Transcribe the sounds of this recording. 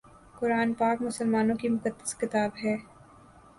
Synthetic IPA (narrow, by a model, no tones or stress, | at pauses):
kʊɾaːnpaːkmʊsəlmaːnõkimʊkəd̪ːə̥skɪt̪aːbɦɛː